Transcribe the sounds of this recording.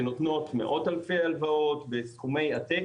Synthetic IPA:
not̪no̞tmeʔo̞talfejalvaotbesχume̞jat̪e

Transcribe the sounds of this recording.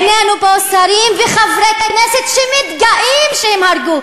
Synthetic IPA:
nenubeosaɾimveχavɾekneset̪ʃɛmid̪ɡaʔimʃehimhaɾɡu

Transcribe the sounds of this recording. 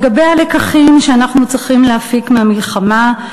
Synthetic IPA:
ɡabe̞jhalekaχimʃeanaχnut͡sʁiχimleafikmeamilχama

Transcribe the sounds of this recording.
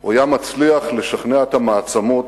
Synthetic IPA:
ajamat͡sliaχle̞ʃaχneaet̪hamaːt͡samot

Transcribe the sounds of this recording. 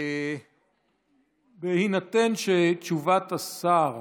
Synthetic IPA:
behinat̪enʃet͡ʃuvat̪asaʁ

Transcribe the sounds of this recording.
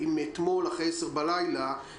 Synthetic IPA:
imet̪mo̞laχeseʁbalajla

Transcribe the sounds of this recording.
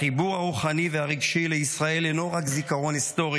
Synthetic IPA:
ibuʁhaʁuχaniveaʁiɡʃileisʁae̞leno̞ʁakzikaʁo̞nisto̞ʁi

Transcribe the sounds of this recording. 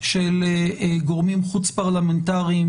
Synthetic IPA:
ʃeleɡoʁmimχut͡spaʁlamentaʁiim

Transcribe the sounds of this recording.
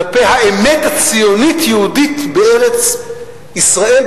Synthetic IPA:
pɛhaɛmɛtat͡sionitʰjuuditbɛɛʁɛt͡s | isʁaɛl

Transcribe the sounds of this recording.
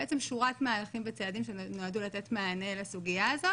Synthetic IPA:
et͡semʃuʁatmaːlaχimvet͡seadimʃenoadulat̪et̪maːnelasuɡijaazo

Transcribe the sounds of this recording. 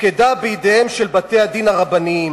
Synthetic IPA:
ked̪abeid̪eemʃelbat̪e̞had̪inaʁabani

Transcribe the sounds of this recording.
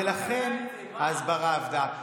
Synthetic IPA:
elaχe̞n | aːzbaʁaːvd̪a

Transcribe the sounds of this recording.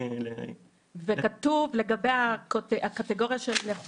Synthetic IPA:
vekat̪uvle̞ɡabejakotakat̪eɡo̞ʁjaʃelneχ

